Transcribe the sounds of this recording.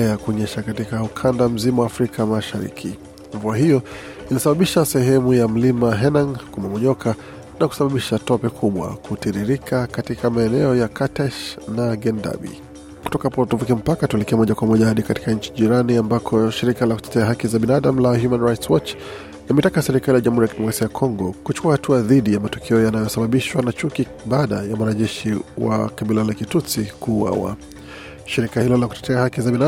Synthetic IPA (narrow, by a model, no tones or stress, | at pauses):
jakuɔɲɛʃakatikaukʰandam̩zimɔwaːfɾikʰamaʃaɾḭkʰi | ɱvuaɦijɔ | inisaɓaɓiʃasɛɦɛmujam̩limaɦɛnaŋkumamɔɲɔkʰa | naku̥saɓaɓiʃatɔpɛkʰuɓwa̰kʰutiɾiɾikʰakatikʰamaɛnɛɔjakatɛʃnaɡɛnda̰ɓḭ | ku̥tɔkaapɔtuvukim̩pakatuɛlɛkɛmɔʄakwamɔʄahaɗikati̥kaɲ̩t͡ʃi̥ʄiɾaniambakʰɔʃiɾikalaku̥tɛ̥tɛaɦakizaɓinaɗam̩lahjumanɹajtswɔt͡ʃ | imɛtakasɛɾikalijaʄamhuɾijakitɛmɔkɾasiajakʰɔŋɡɔkut͡ʃu̥kuahatʰuaðiɗijamatɔ̥kʰɛɔjanajɔsaɓaɓiʃwanat͡ʃuki | ɓaːɗajamwanaʄɛʃiwa̰kaɓilalakitusikuːwa̰wa̰ | ʃiɾikahilɔlakutɛ̥tʰɛahakizabina